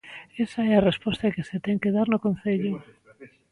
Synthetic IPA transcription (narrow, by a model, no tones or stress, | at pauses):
esaɛarespɔst̪akeset̪ɛŋkeðaɾnʊkon̟θeʎʊ